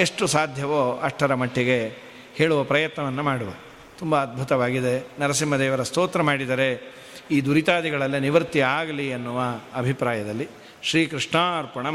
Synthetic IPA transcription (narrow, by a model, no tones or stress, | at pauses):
eʂʈusaːd̪ʱjɐʋoːɐʂʈʰɐɾɐmɐʈʰːiɡe̞ | heːɭuʋɐpɾɐjɐt̪nɐʋɐnːumaːɽuʋɐ | t̪umbɐːd̪̚bʱut̪ɐʋaːɡid̪e̞nɐɾɐsimːɐd̪ɛːʋɐɾɐst̪oːt̪ɾɐmaːɽid̪ɐɾe̞ | iːd̪uɾit̪aːd̪iɡɐɭɐlːiniʋɐɾt̪iaːɡɐliɐnːuʋɐːbʱipɾaːjɐd̪ɐlːi | ʃɾiːkɾiʂɳaːɾpɐɳɐ